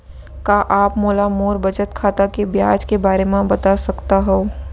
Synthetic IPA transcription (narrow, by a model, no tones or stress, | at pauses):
kaʔaːpmoːlamoːɾbɐd͡ʒət̪kʰaːt̪akebjaːd͡ʒkebaːɾemẽbɐt̪asɐkt̪aɦɛoː